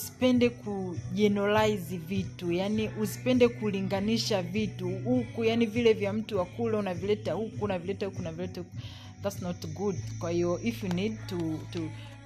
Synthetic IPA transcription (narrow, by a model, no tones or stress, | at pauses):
si̥pɛndɛkʰuʄɛnɔlaizivitujaniʔusi̥pɛndɛkuliŋɡaniʃavituhukujanivilɛvjam̩tuwakulɛunavilɛtahukuːnavilɛtahukuːnavilɛtahuku | ðatsnɔtɡudkwahiɔʔifjunid̚tutu